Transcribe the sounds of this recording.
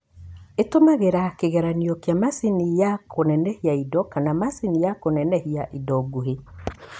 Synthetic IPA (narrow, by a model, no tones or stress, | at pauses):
etomaɣeɾakeɣɛɾaniɔkeamasinijakʰonɛnɛhiaidɔkanamasinijakonɛnɛhiaʔidɔɡoɦe